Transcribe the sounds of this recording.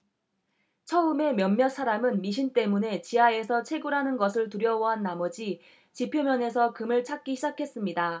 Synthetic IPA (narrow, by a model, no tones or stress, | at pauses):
t͡ɕʰʌɯme̞mjʌmmjʌsʰaɾamɯnmiɕʰint͈e̞mune̞t͡ɕiae̞sʰʌt͡ɕʰe̞ɡuɾɦanɯnɡʌs̬ʰɯɭtuɾjʌwʌɦanːamʌd͡ʑi | t͡ɕipʰjomjʌne̞s̬ʰʌkɯmɯɭt͡ɕʰak͈̚iɕʰid͡ʑakʰe̞s͈ɯmɲida